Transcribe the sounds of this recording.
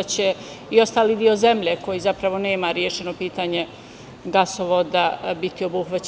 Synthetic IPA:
t͡ɕe̞io̞st̪aːlid̪io̞ze̞mʎeko̞jizapɾaʋo̞ne̞ːmaɾjeʃe̞nopiːt̪aɲe | ɡasoʋod̪abit̪io̞buxʋat͡ɕ

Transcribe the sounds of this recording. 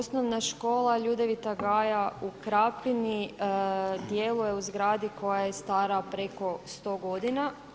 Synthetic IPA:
osnoʋnaʃko̞ːlˠaʎuːd̪eʋit̪aɡaːjaukɾapini | d̪je̞lˠuje̞uzɡɾaːd̪iko̞jajest̪aːɾapɾe̞ko̞st̪o̞ːɡo̞d̪ina

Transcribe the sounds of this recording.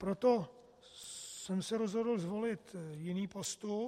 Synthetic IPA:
pɾot̪o | sɛmsɛɾozɦo̞dl̩zvo̞lɪt̪jɪniːpost̪u

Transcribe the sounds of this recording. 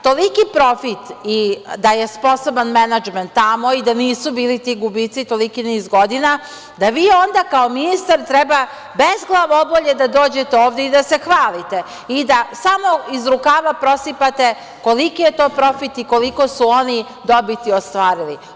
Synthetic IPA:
t̪o̞likipɾo̞fit̪id̪ajespo̞so̞banmenad͡ʒment̪ːamo̞id̪aniːsubiːlit̪iɡubit̪sit̪o̞likiniːzɡo̞d̪ina | d̪aʋiːond̪akaominist̪aɾt̪ɾɛba | bezɡlˠaʋoboʎed̪ad̪o̞ːd͡ʑe̞t̪eoːʋd̪eid̪ase̞xʋaːlit̪e̞ | id̪asamo̞izɾukaːʋapɾo̞sipat̪e̞ | ko̞likije̞t̪o̞ːpɾo̞fit̪ikoliko̞suo̞ni | d̪o̞bit̪iost̪ʋaːɾili

